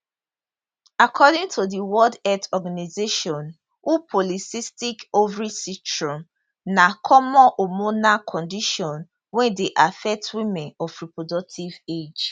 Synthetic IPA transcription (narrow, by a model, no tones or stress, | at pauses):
akʰɔdĩŋtʰodiwɔldɛtɔɡanizeʃɔ̃n | ʔupʰɔlisistikovɹisitɹɔ̃m | nakʰɔmɔ̃ʔomonakʰɔ̃ndiʃɔ̃n | wɛ̃ndeʔafɛk̚twimɛ̃nɔfɹipɹodɔk̚tʰived͡ʒ